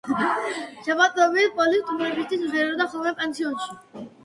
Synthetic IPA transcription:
ʃabat̪ʼɾɔbilpʼɔlit̪ʰumɾɛbist̪ʰisd̪ɛɾɛɔd̪aχɔlˠmɛpʼɛnsʰiɔnʃi

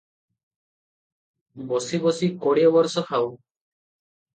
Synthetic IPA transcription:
bɔsibɔsikɔɽjɔbɔɾsɔkʰaw

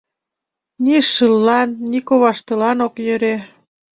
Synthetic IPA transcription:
niʃɯlːɑnːikoβɑʃt̪ɤ̆lɑnokjøɾe

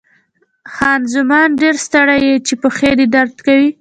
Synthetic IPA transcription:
xɑnzʊmɑnɖeɾst̪aɽajet͡ʃepəxed̪ed̪aɾd̪kawi

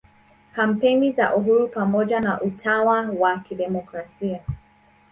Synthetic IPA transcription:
kam̩peniza̰ʔuɦuɾupamɔʄanaʔutʰawawakiɗɛmɔkɾasia

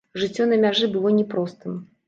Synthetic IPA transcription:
ʐɨt͡sʲːɔnɐmʲaʐɨbɨlˠɔnʲɛpɾɔst̪ɨm

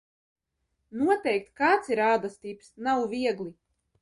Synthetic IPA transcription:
nuɔt̪ɛjk̚t̪kaːt̪siɾaːd̪ast̪iːpsnawviɛɡlˠi

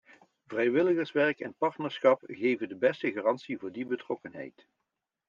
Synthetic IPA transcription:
vrɛjʋɪləɣəɹsʋɛɹkɛnpɑɹtnəɹsχɑpɣejvəndəbɛstəɣaːrɑntsivʊːɹdibətrɔkənɦɛ̰jt

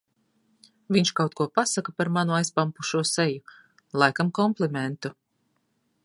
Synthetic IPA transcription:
vʲiɲʃkawt̪̚kuɔpasakapaɾmanuajspampuʃuɔsɛju | lˠajkamkɔmplˠimɛnt̪u

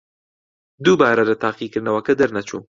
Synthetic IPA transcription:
d̪ubaːɾad̪ət̪aqikɾnawakəd̪əɾnat͡ʃu

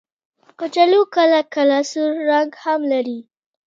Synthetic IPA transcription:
pət͡ʃalokalakalɑsuɾːaŋɡhamlaɾi

